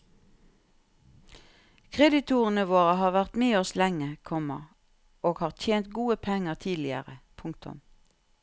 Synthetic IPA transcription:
kʰʁɛd̪ɪt̪ʰuːʁənəʋoːʁəhɑːʁʋæʁt̪meːɔslɛŋəkʰɔmə̰ | oːɡhɑːʁt̪ʰjeːnt̪̚ɡuːəpʰɛŋəʁt̪ʰiːlɪə̰ʁəpʰʊŋk̚t̪ʊ̰m

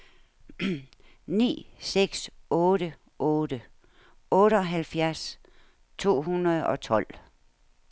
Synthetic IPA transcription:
nḭːseɡ̥sɔːɾə | ʔɔːɾə | ɔ̽ːɾəɒ̽ɦælfjæɐs | t͡sʰo̝̰ːɦunɐð̩ˠɒ̽t͡sʰɒ̽l̰

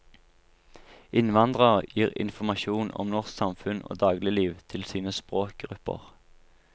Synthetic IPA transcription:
ʔɪnʋɑnd̪ʁəʁjiːʁɪ̰nfɔmɑʃuːnɔ̰mnɔʁsksɑmfʉno̰ːd̪ɑːɡlɪliːʋt̪ʰɪlsiːnəspʁoːk̚ɡʁʉpə̰ʁ

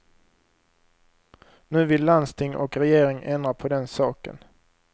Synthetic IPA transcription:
nʉ̟ːvɪlːand̪st̪ʰɪŋːʔɔ̰kɾɛjeːɾɪŋʔɛnd̪ɾapʰɔd̪ɛnsɑːkə̰n

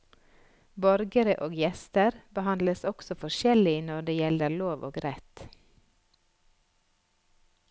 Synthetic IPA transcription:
bɔɾɡəɾəʔoːɡjɛst̪əɾbəhɑnd̪ləsɔksɔfɔʃɛlɪnɔɖeːjɛləɾloːʋʔo̰ːɡɾɛt̪

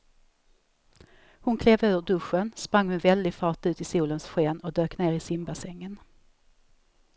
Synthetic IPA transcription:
hʊnkʰleːvøːvəɖɵʂənspɾaŋːhʊnvɛld̪ɪɡfɑːʈʉ̟ːt̪ɪsuːlənsɧeːnɔd̪øːkneːɾɪsɪmbasɛŋːən

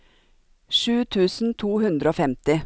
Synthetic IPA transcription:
ʃʉːt̪ʰʉːsn̩t̪ʰuːhʉnd̪ɾəoːfɛmt̪ɪ

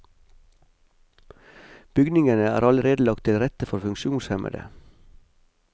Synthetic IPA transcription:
b̥ʏɡnɪŋənəæ̰ːɾɑləɾeːd̪əlɑk̚t̪ʰɪlɾɛt̪əfɔɾfʉŋʃuːnshɛmʔə̰d̪ə̰

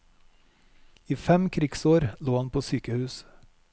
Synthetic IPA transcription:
iːfɛmkʰɾɪɡsoːɾloːhɑnpʰoːsyːkəhʉːs

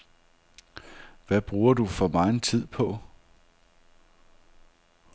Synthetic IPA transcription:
ʋæb̥ʁuːɐd̥ufɒ̽mɑ̈ɪn̩t͡sʰið̰ˠpʰɒ̽

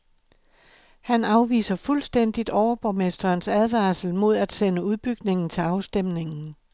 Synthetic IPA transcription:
hænɑ̈ʊʋḭːsɐfulsd̥en̰d̥id̥ɒʊɐb̥ɒmesd̥ɐːnsæð̞ˠʋɑ̈ːsl̩mo̝ð̞ˠæd̥senəuð̞ˠb̥yɡ̥ne̝ŋn̩t͡sʰe̝lɑ̈ʊsd̥em̰ne̝ŋn̩

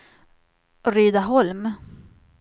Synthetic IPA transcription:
ɾyːd̪aɦɔlm

